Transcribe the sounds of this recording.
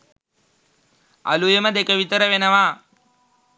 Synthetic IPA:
ɐ̰lujɐmɐd̪ekɐʋit̪ɐɾɐʋenɐʋaː

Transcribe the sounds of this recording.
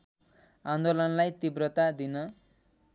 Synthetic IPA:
and̪olʌnlajt̪ibrʌt̪ad̪inʌ

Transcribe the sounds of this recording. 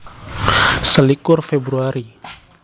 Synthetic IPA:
səlikʊrfebɾuaɾi

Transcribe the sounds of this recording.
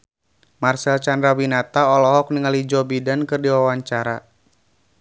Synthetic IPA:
marsɛlt͡ʃandɾawinat̪aɔlɔɦɔk̚niŋalid͡ʒɔbidankɨrdiwawaɲt͡ʃaɾa

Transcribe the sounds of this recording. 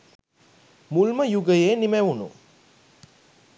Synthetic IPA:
mulməjuɡəjeːnimæʋunṵ

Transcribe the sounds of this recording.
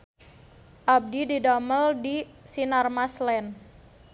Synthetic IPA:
ʔab̚dididaməldisinarmaslɛn

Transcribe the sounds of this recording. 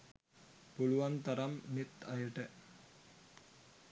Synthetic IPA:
puluʋant̪ɐɾamnit̪ːɐjəʈə

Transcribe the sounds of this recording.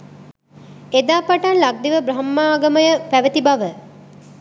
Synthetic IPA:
ed̪aːpaʈanlaɡ̚d̪iʋəbɾɐɦmːaːɡəməjəpæʋət̪ibaʋə

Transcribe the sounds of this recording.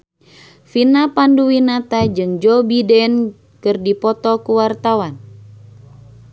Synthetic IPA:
finapanduwinat̪ad͡ʒɨŋd͡ʒɔbidɛn | kɨrdipɔt̪ɔkuwart̪awan

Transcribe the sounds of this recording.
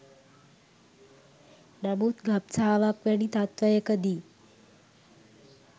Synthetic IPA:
nəmuːt̪ɡʱap̚t͡sʰaːʋakʋaɽ̃iːt̪at̪ʋəjəkəd̪iː

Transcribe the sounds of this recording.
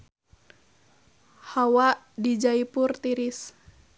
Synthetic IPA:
hawaʔ | did͡ʒaipurt̪iɾis

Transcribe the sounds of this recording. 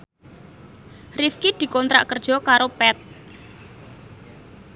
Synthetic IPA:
rifkid̪̥i̤kɔnt̪ɾa̰ʔkərd̥d͡ʒ̥ɔ̤kaɾopɛt̪̚

